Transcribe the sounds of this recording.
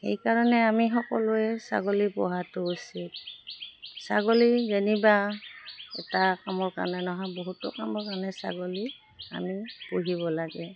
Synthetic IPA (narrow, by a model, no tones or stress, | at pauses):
hḛjkaɹɔnɛamixɔkɔlʊɛsa̰ɡolipɔɦatʊusit̚ | saɡolizeniba | ɛ̰takamɔɹka̰nɛnɔɦaboɦutʊ̰kamɔɹkanɛsa̰ɡoli | a̰mipuɦiβɔlaɡɛ